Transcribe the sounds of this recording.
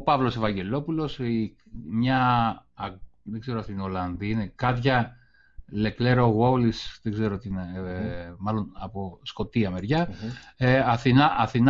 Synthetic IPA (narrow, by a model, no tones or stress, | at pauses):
opɐvlo̞se̞vɐɲɟe̞lo̞pulo̞si | mɲɐ | ðeɡze̞ɾoɐst̪iino̞lɐnðiinekɐt̪çɐ | le̞kle̞ɾoɣolisðeɡze̞ɾot̪ine | mɐlo̞nɐposko̞t̪iɐme̞ɾʝɐ | ɐθinɐʔɐθin